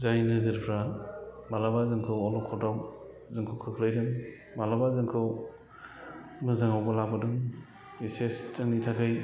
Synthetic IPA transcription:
zajnɯzɯɾpʰɾabalabazɯŋkʰɯwɔlɔkʰɔtaw | zɯŋkʰɯwkʰɯkʰlɯjdɯŋ | malabazɯŋkʰɯw | mɯzaŋawbɯlak̚bɯdɯŋ | isestɯŋnitʰakʰɯj

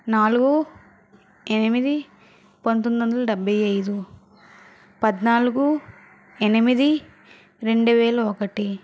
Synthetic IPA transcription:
naːluɡu | enimid̪i | pont̪ond̪ɐnd̪ɐlɐɖɐbːɐjɐjd̪u | pɐd̪naːluɡu | enimid̪i | ɾe̞ɳɖuʋɛːlɐokɐʈi

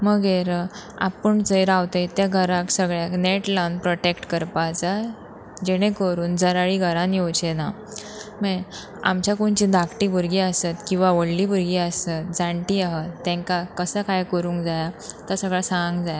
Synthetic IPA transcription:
məɡeɾa̰pəɳt͡səjɾawt̪əjt̪jaɡʱəɾaksəɡɭjakneʈlanpɾɔʈekʈkəɾpat͡sa | d͡ʑeɽ̃ẽkəɾuːnd͡zəɾaɭiɡʱəɾãnjowt͡ɕena | me | a̰mt͡ɕjakuɳt͡ɕĩd̪ʱakʈibʱuɾɡiəsət̪kĩw̃ʋaʋəɽliːbʱuɾɡiːəsət̪̚d͡zãɳʈiaɦət̪ːɛ̃ŋkakəsəkajkəɾũːŋkd͡zajat̪asəɡɭasãŋɡd͡zaja

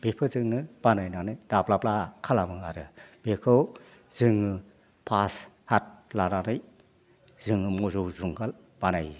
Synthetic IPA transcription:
bepʰɯzɯŋnɯb̥anajnanɯjd̥aplaplakʰalamɯŋaɾɯb̥ekʰɯw | z̥ɯŋɯ | pʰas | hat̚laɾanɯj | z̥ɯŋɯmɔzɔwzuŋɡal | b̥anaj

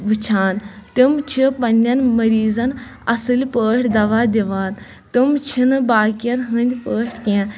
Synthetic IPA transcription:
ʋɨt͡ʃʰaːnt̪ɨmt͡ʃʰipɐnʲɐnmɐɾiːzɐnɐsɨlʲpəːʈʰʲd̪ɐʋaːd̪ʲiʋaːn | t̪ɨmt͡ʃʰinɨbaːkijɐnɦɨnʲd̪ʲpəːʈʰt̪ʲiãn

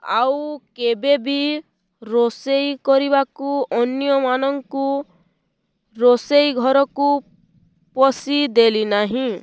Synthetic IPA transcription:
a̰wkebebi | ɾosejkɔɾibakuɔnjɔmanɔŋku | ɾosejɡʱɔɾɔku | pɔsid̪elinaɦĩ

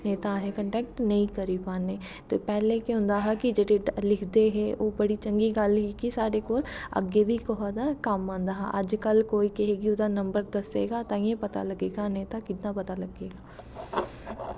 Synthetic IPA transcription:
neːt̪aɦɛ̃kə̃ɳʈɛːk̚ʈnɐɦĩkɐɾipaːne | t̪opɛːlekeʊ̃nd̪aɦakid͡ʒed̪elɪkʰd̪eɦɛ̃ʔoːbɐɽit͡ʃɐ̃ŋɡiɡaːlɦikisaːɾekoːlɐ̰ɡebʱikoɦd̪akaːmːãːnd̪aɦɛ̰ʔəd͡ʒkɐlkoːikɛɦeːɡiʊd̪anɐ̃mbəɾd̪ɐsḛːɡat̪aːĩẽpɐt̪a̰lɐɡeːɡaneːt̪akɪt̪napɐt̪alɐɡeːɡaː

